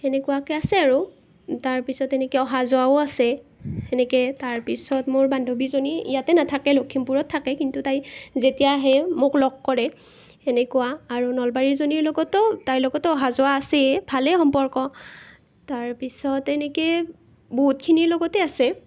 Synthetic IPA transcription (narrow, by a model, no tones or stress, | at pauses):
enɛkuwakɛasɛaɹu | taɹpisɔtɛnɛkɛɔɦazʊaoasɛɛnɛkɛtaɹpisɔtmoɹbandʱobizoniḭjatɛnatʰakɛlokʰːimpuɹɔtʰːakɛkintutajzetijaɦɛmoklɔɡ̚kɔɹɛ | enɛkuwaːɹunɔlbaɹizoniɹlɔɡɔtɔtajlɔɡɔtɔɔɦazʊwaːsɛbʱalɛxɔmpɔɹkɔ | taɹpisɔtɛnɛkɛ | but̚kʰiniɹlɔɡɔtɛasɛ